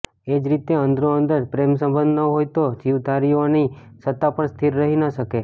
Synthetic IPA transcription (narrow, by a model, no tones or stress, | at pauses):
ed͡ʒɾit̪eənd̪ɾoənd̪əɾpɾemsə̃mbənd̪nəɦojt̪od͡ʒiʋd̪aɾionisət̪ːapəɳst̪ʰiɾːəɦinəʃəke